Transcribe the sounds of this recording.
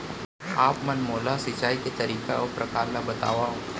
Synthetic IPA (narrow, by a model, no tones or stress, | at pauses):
aːpmɐnmoːlasɪt͡ʃaːiket̪ɐɾiːkaɔːɾpɾɐkaːɾlabɐt̪a̰ːʋao